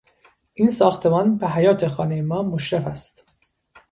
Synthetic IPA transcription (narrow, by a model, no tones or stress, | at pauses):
ʔiːnsɒːxt̪ʰe̞mɒːnbeɦæjɒːt̪ʰe̞xɒːnejemɒːmoʃɾefæst̪